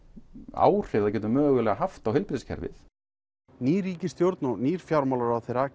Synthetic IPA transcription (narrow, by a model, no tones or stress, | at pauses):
a̰ːwr̥ɪvðac̬ɛːt̪̬ʏmœːɣʏlɛːɣaɦaft̪awhɪlpɾɪscʰɛ̰ɾvɪ̰θ | niːɾiːcɪst̪jowɾt̪nɔniːɾ̥fjawɾmawlaɾawθeɾa